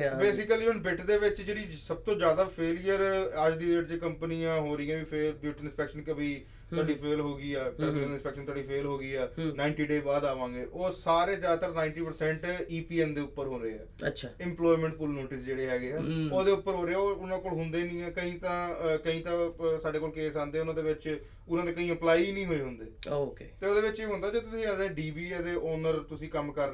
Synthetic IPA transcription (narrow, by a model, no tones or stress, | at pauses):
beːsɪkəliːɦʊnbɪʈd̪eːʋɪt͡ʃd͡ʒeːɽiːsəb̚t̪õːd͡ʒjaːd̪aːpʰeːlijəɾəd͡ʒd̪iːɪʈ̚t͡ʃekəmpəniːãːɦoːɾiːãːʋiːpʰeːbɪʈɪnspɛːkʃənkəbiː | t̪əɖiːpʰeːlɦoːɡiːɛːkəɾmiːnəlɪnspɛːkʃənt̪aːɖiːpʰeːlɦoːɡiːɛːnaːɪɳʈiːɖeːbaːd̪aːʋãːŋɡeːʔoːsaːɾeːd͡ʒaːd̪t̪əɾnaːɪɳʈiːpəɾsɛ̃ːɳʈiːpiːɛːnd̪eːʊpːəɾɦʊ̃ːnɾəeːɛ̰ːətʃʰaːɪ̃mplɔːimɛ̃ɳʈ̚pʊlnoːʈɪsd͡ʒeːɽeːɦɛːɡeːɛːoːd̪eːʊpːəɾɦoːɾeːɛːʊnãːkoːlɦʊnd̪eːnĩːɛːkəɦĩːt̪ãːkəĩːt̪ãːsaːɖeːkoːlkeːsãːnd̪eːʊnãːd̪eːʋɪt͡ʃ | ʊnãːd̪eːkəĩːəplaːiːnĩːɦoːeːɦʊnd̪eːokeːt̪eːoːd̪eːʋɪt͡ʃeːɦʊ̃nd̪aːd͡ʒeːt̪ʊsĩːəd̪eːɖiːbiːəd̪eːoːnəɾt̪ʊsĩːkəmkəɾ